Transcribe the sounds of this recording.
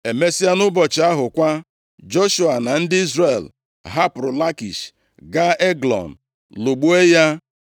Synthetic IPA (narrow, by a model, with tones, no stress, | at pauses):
e˨me˦si˦a˦nʊ˦bɔ˨t͡ʃɪ˨a˦ɦʊ˨kʷa˦ | d͡ʒo˦ʃu˦a˨na˨n̩˦dɪ˦i˦zre˨l | ɦa˦pɾʊ˨la˦kḭ˨ʃ | ɡa˦e˦ɡlɔ̰˨n̩˨ | lu˨ɡ͡bu˦e˦ja˦